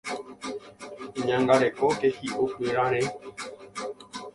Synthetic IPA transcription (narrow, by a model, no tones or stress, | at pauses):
ĩɲãŋɡaɾekokehiʔopeɾãɾ̃ẽ